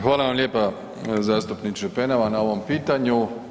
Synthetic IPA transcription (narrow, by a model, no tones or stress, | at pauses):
xʋaːlˠaʋamljeːpa | zaːst̪upnit͡ʃepenaʋanao̞ʋompiːt̪aɲu